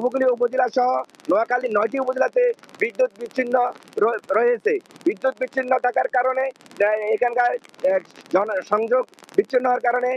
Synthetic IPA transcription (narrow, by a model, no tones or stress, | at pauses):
bukuliupod͡ʒilaʃɔɦɔ | nɔakalinɔjʈiupod͡ʒelat̪ebid̪ːut̪̚biʃʰinːɔɾɾɔɦet͡ʃʰebid̪ːut̪̚biːt͡ʃʰinːɔʈʰakaɾkaɾoneekʰankaɾ | d͡ʒɔʃɔŋd͡ʒoɡbiʃʰinːɔɦaɾkaɾone